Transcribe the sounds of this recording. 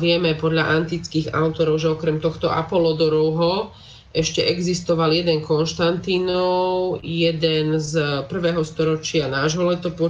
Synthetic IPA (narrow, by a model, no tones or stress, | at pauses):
ʋɪɛmɛpɔd̪ʎaʔant̪it͡skiːɣa̰ʊt̪ɔɾɔʊʒɛɔkɾɛmt̪ɔxt̪ɔʔa̰pɔlɔd̪ɔɾɔʊɦɔ | ʔɛʃcɛʔɛɡzist̪ɔʋaljɛd̪ɛŋkɔnʃt̪ant̪inɔʊjɛd̪ɛnzpr̩ʋɛːɦɔst̪ɔɾɔt͡ʃɪanaːʒɦɔlɛt̪ɔpɔ